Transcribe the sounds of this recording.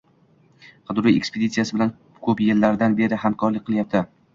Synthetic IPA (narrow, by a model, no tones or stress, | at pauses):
qʰɨd̪ɾijḛkspʰed̪it̪sijasɪbɪlan | kʰɵpjelːaɾd̪anbe̞ɾɪɦamkʰɒɾlɪk̚ʲqʰɨlˠjap̚t̪ʰɪ